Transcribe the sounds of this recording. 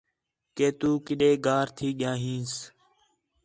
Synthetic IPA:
keːt̪uːkɪɗeːɡaːɾt̪ʰiːɠɪjãːɦĩːs

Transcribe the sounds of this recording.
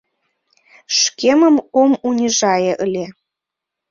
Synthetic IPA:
ʃkʲemə̆momunʲiʒɑjɤ̆ʔəlʲe

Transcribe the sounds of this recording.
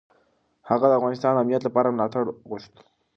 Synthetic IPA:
haɣad̪əafɣaːnist̪ʰaːnamnijat̪lapaːɾanat̪ʰaɽɣoʃt̪

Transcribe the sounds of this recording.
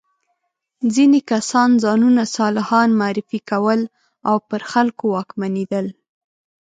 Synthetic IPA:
zinekasɑnzɑnunasɑlɪhɑnmaɾɪfikawəl | awpəɾxalkowɑkmaned̪əl

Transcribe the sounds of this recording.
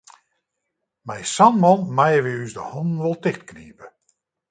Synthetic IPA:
mɛjsanmɔnmajəʋiysdəhɔndn̩ʋɔlˠtɪxtknḭːpə

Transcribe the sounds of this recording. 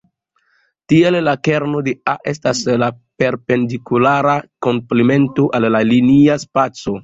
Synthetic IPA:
tie̞lːake̞ɾno̞de̞aʔe̞staslape̞ɾpe̞ndikulaɾako̞mpleme̞ntoʔalːaliniaspat͡so̞

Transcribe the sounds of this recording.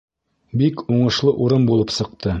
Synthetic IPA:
bikuɴɤ̆ʃlˠɤʔuɾɤmbulˠɤpsɤ̆q̚t̪ʰɤ

